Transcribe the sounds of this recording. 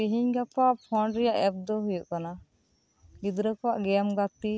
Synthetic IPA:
iɦiɲɡapaʔpʰɔɳɖɾɛjaʔɛp̚d̪ɔɦujuʔkana | ɡid̪ɾəkɔwaʔɡɛamɡat̪i

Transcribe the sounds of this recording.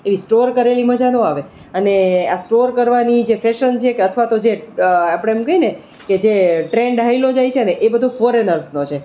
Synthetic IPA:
eʋisʈoɾkəɾeliməd͡ʒanõaʋe | əneasʈoɾkəɾʋanid͡ʒefɛʃənt͡ʃʰekeət̪ʰʋat̪od͡ʒeapəɽ̃ẽːmkəine | ked͡ʒeʈɾeɳɖɦailod͡ʒajt͡ʃʰeəneʔebəd̪ʱufɔɾenəɾsnot͡ʃʰe

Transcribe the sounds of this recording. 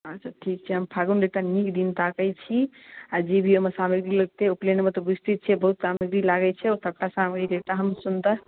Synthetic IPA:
ətːʰaʈʰik̚t͡ʃʰɛɦəmpʰaɡunɾet̪anikd̪int̪akəjt͡ʃʰi | ad͡ʒebʱiomesamiɡɾiləɡ̚t̪eoplenmet̪ɔbist̪it̪̚t͡ʃʰɛbəɦut̪samiɡɾilaɡɛt͡ʃʰɛot̪ʰəkʈasamɡiɾet̪aɦəmsunt̪a

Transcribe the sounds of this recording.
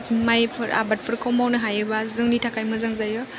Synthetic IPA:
tmajpʰɯɾa̰bat̚pʰɯɾkʰɔwmawnɯɦajɯbazɯŋnitʰakʰajmɯzaŋzajɔ

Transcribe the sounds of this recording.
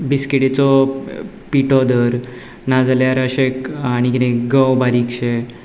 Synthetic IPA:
biskeʈet͡sɔ | piʈɔd̪əɾ | nad͡zaljaɾəɕekañikit̪ẽkɡəwbaɾikɕe

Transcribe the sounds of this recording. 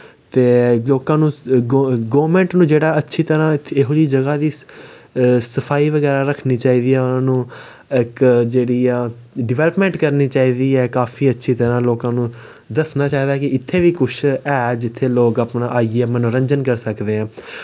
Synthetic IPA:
t̪eːloːkãːnũː | ɡoːʋɾmɛ̃ːɳʈnũːd͡ʒeːɽaːətːʃʰiːt̪əɾãːɪeɦoɾiːd͡ʒəɡaːd̪iː | səpʰaːiːʋəɡɛːɾaːɾəkʰniːt͡ʃaːiːd̪iːɛːʊnãːnũː | ɪkd͡ʒeːɽiːãː | ɖɪʋɛːləpmɛ̃ːɳʈkəɾniːt͡ʃaːiːd̪iːɛːkaːfʰiːətːʃʰiːt̪əɾãːloːkãːnũː | d̪əsnaːt͡ʃaːiːd̪aːkɪɪt̪ʰːeːʋiːkʊt͡ʃʰɛːd͡ʒɪt̪ʰːeːloːkaːpnaʔaːiɛːmɛ̃ːnːũːɾə̃ɲd͡ʒənkəɾsəkd̪eːãː

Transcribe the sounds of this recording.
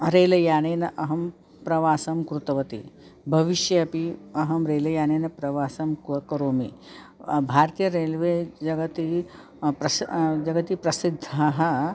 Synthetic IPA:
ɾeːlɐjaːneːnɐʔɐɦɐm | pɾɐʋaːsɐmkɾut̪ɐʋɐt̪ḭ | bʱɐʋiʃjɐɐpiɐɦɐmɾeːlɐjaːneːnɐpɾɐʋaːsɐmkɐkɐɾoːmḭ | bʱaːɾt̪ijɐɾeːlʋeːd͡ʒɐɡɐt̪i | pɾɐd͡ʒɐɡɐt̪ipɾɐsid̪ʱːaːɦɐ̆

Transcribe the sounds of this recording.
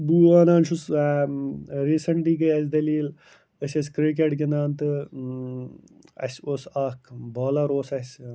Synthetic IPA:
buːaːnaːnʃus | ɾiːsɐɳʈiːkɐjɐsʲd̪ɐliːl | əsʲɐsʲkɾik̬eʈkenaːnt̪ɨ | ɐ̰sʲoːsaːkʰboːlɐɾoːsɐsʲ

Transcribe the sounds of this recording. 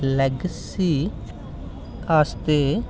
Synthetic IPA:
lɛɡs | iː | aːst̪eː

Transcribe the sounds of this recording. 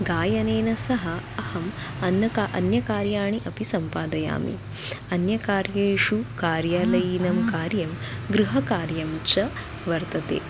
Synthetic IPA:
ɡaːjɐneːnɐsɐɦɐɐhɐm | ɐnːɐkaʔɐ̰njɐkaːɾjaːɳiʔɐpisɐmpaːd̪ɐja̰ːmḭ | ɐnjɐkaːɾjɐːʂukaːɾjaːlɐjinɐmkaːɾjɐm | ɡɾuɦɐkaːɾjɐmt͡ʃɐ | ʋɐɾt̪ɐt̪ḛː

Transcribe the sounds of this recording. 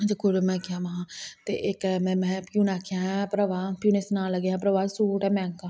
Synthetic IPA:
ãd͡ʒakʊɾmɛ̃ːkjãːmaãːt̪ḛːʔɪkmɛ̃mɛ̃ːkjũːnaːkʰjãːɦãpɾəʋaːpjuːnɪsnãːləɡeɦãːpɾəʋaːsuːʈɛ̃ːmɛ̃ːŋkãː

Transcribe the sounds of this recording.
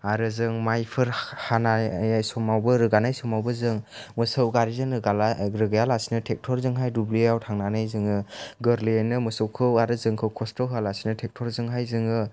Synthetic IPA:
aɾɯzɯŋmajpʰɯɾhanajajsɔmawbɯɾɯɡanajsɔmawbɯzɯŋmɯsɯwɡaɾizɯŋɾɯɡalɾɯɡajalasinɯtʰek̚tʰɔɾzɯŋɦajdubliawtʰaŋnanɯjzɯŋɯɡɯɾlenɯmɯsɯwkʰɯwaɾɯzɯŋkʰɯwkʰɔstʰɔwɦalasinɯtʰek̚tʰɔɾzɯŋɦajzɯŋɯ

